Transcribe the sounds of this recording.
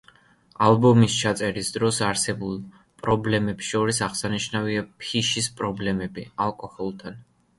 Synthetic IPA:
alˠbɔmist͡ʃʰat̪sʼɛɾisd̪ɾɔsaɾsɛbulˠ | pʼɾɔblɛmɛpsʃɔɾisaʁsaniʃnaviapʰiʃispʼɾɔblɛmɛbialˠkʼɔhɔlˠt̪ʰan

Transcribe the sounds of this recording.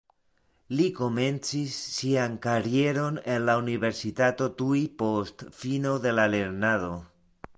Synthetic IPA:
liko̞me̞nt͡sisːiankaɾje̞ɾo̞nenlauniβe̞ɾsitato̞t̪uipo̞stfino̞ðe̞lale̞ɾnaðo̞

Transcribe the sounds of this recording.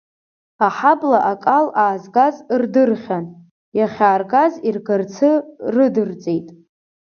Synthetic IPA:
aħablaʔakʼalaːzɡazrdɨrχʲan | jaχʲaːrɡazirɡart͡sʰɨrɨdɨrt͡sʼejtʼ

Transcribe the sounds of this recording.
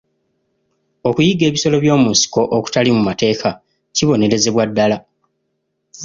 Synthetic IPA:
o̞kujiɡe̞ːβiso̞lo̞βjo̞ːmunsi̥ko̞ʔoku̥talimumate̞ːkʰa | ciβo̞ne̞ɾe̞ze̞βwadːala

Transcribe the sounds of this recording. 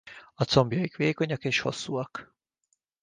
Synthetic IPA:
ɒt̪so̞mbjɒjikʋeːko̞ɲɒkeːʃho̞̰sːuːɒk

